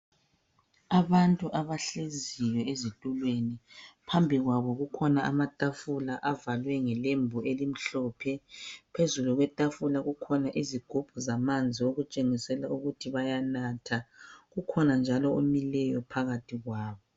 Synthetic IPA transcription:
aβantʼuʔaβaɬezijɔezitʼulwenipʰambʱiɣwaβɔɣukʰɔnaa̰matʼafulaʔavalwɛŋɛlembʱuʔelim̩ɬɔːpʰɛpʰezuluɣwɛtʼafulaɣukʰɔnaʔiziɡ̥ʱub̥ʱuzamand͡zʱioɣut͡ʃʼeŋisɛlauɣutʰiβajanatʰaɣukʰɔnand͡ʒʱalɔomilɛjɔpʰaɣatʰiɣwaːβɔ

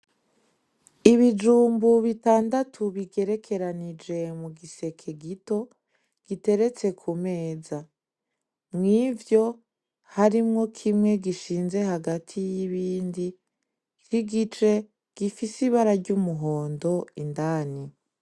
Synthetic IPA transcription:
iβid͡ʒuːmbuβitaːndatʰuβiɡe̞ɾe̞kʰe̞ɾanid͡ʒe̞muɡise̞kʰe̞ɡito̞ | ɡ̥ite̞ɾe̞t͡se̞kʰume̞ːza | mŋivjo̞ | haɾimŋo̞kʰimŋe̞ɡiʃiːnze̞haɡatʰijiβiːndi | kiɡit͡ʃe̞ | ɡ̥ifisiβaɾaɾɟumuɦo̞ːndo̞indaːni

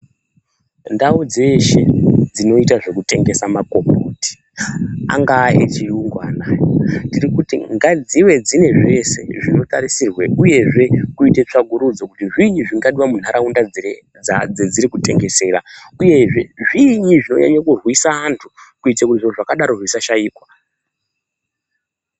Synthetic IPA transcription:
ndaud͡ze̞ʃḛd͡zino̞itaʐe̞kute̞ŋɡe̞samakomboːti̥ | a̰ŋɡaːḛt͡ʃijuŋɡwaːnandiɾikutḭŋɡad͡ziwe̞d͡zine̞ʐe̞se̞ʐino̞taɾisirweuje̞ʐe̞kuite̞t͡ʂaɡʱuɾud͡zo̞kutiʐiɲiʐiŋɡaɗiwamun̤aɾaunda | d͡zed͡ziɾikute̞ŋɡe̞se̞ːra | uje̞ʐe̞ʐiɲiʐino̞̰ɲa̰ɲakurwisaantʰu̥kuitakutiʐoʐakaɗaɾo̞rwisaʃaiːkwa

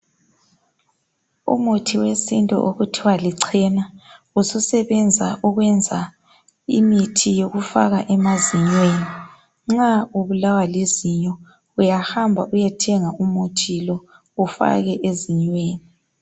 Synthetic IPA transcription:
ṵmutʰiwesintʼɔ̰ʔoɣutʰiwaliǀʰɛna | ususɛβɛnd͡zʱa̰ʔuɣwɛnd͡zʱa | ḭmitʰijoɣufa̰ɣaʔɛmaziɲweːni | ŋ͡ǁauβulawaleziɲɔ | ujahambʱa̰ʔujɛtʰɛŋaumutʰilɔ | ufa̰ɣɛʔeziɲweːni

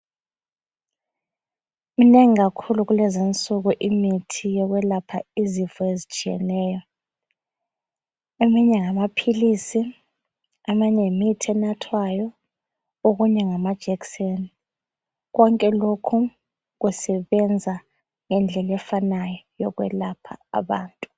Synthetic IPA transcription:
mineŋiɣakʰuluɣulɛzint͡sʼuɣuʔimitʰijɔɣwɛlapʰa̰izivɔezit͡ʃʼijɛ̰nɛːjɔ | emiɲɛŋamapʰilisi | amanemitʰiɛnatʰwajɔ | oɣuɲɛŋamad̥ʒ̥ʱɛkseni | ɣɔŋkʼɛlokʰu | ɣusɛβɛnd͡zʱa | ŋɛnd͡ɮʱɛlɛfanajɔjɔɣwɛlapʰa̰ːβa̰ːntʼu

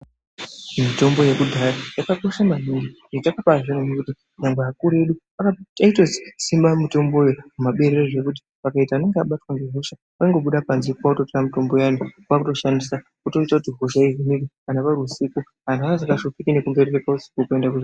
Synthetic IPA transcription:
mito̞mbo̞je̞kudʱaɾajakako̞ʃamaɦiŋɡi | etakapaʐinonekuti | ɲaŋɡweakuɾe̞ɗu | akataitosi̥simbamito̞mbo̞jekumaɓe̞ɾereʐe̞kut̬i̥ | ʋakaitaane̞ŋɡeaɓatwaŋɡeɦoʃa | waiŋɡo̞ɓuɗapanzipuautotiramito̞mbo̞janowakuto̞ʃandisa | kuto̞itakutiɦoʃaiɦinikikanapaɾusiku | ɦanaazakaʃopikine̞kuŋɡeɾerekausi̥kokue̞ndakuʐ

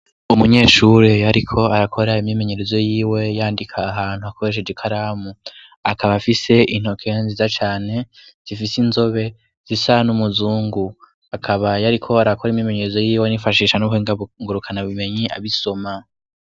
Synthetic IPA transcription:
umuɲe̞ːʃuɾejaɾikʰo̞aɾakʰo̞ɾaimɲime̞ɲe̞ɾe̞zo̞jiːwe̞jaːndikʰaːɦaːn̥huakʰo̞ɾe̞ʃ̬ed͡ʒikʰaɾaːmu | akʰaβafise̞ʔin̥ho̞kʰe̞nzizat͡ʃaːne̞z̥ifisinzo̞βe̞ | z̥isanumuzuːŋɡu | akʰaβajaɾikʰo̞aɾakʰo̞ɾimɲimeɲe̞ɾezo̞jiːwenifaʃiːʃanukheŋɡaŋɡuɾukʰanaβime̞ɲia̰βiso̞ma

